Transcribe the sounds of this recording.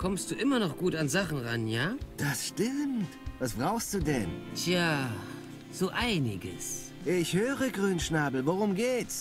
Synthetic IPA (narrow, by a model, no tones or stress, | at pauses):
kʰɔmst̚d̥uːʔɪmɐnɔχɡ̥uːtanzaχn̩ʁanjaːd̥asʃtɪmmtvasb̥ʁaʊxst̚d̥uːdɛ̰ntʰjaː | z̥oːʔaɪnɪɡə̰s | ʔɪçhøːʁəɡʁyːnʃnaːbl̩voʁʊmɡeːts